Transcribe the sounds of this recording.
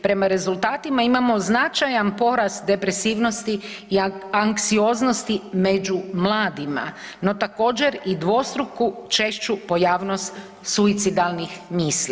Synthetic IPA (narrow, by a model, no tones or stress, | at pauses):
pɾe̞maɾe̞zulˠt̪aːt̪imaimamo̞znat͡ʃajanpo̞ɾasd̪e̞pɾe̞siːʋno̞st̪iː | aŋksio̞ːzno̞st̪ime̞d͡ʒumlˠaːd̪ima̰no̞t̪ako̞ːd͡ʑe̞ɾid̪ʋo̞st̪ɾukut͡ʃe̞ʃt͡ʃupo̞jaːʋno̞st̪ | suit̪sid̪alˠnixmiːsli